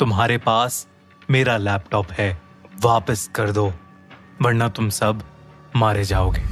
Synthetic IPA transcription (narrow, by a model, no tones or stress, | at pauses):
t̪ʊmɦaːɾepaːs | meːɾalɛːpʈɔːpɦɛː | ʋaːpəskɐɾd̪oː | ʋɐɾnat̪ʊmsɐbʱ | maːɾed͡ʒaːoːɡeː